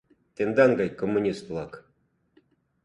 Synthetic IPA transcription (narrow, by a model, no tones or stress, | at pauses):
t̪end̪ɑnɡɑjkomːunʲist̪lˠɑk